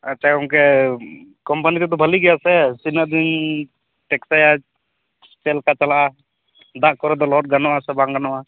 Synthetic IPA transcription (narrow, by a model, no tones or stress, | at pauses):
at͡ʃaɔ̃ŋkɛ | kɔmpanit̪ɛd̪ɔbʱaliɡɛjasɛsinəd̪in | ʈɛksaja | t͡ʃɛlkat͡ʃalaʔa | d̪aʔkɔɾɛd̪ɔlɔɔʈ̚ɡanɔʔasɛbaŋɡanɔʔa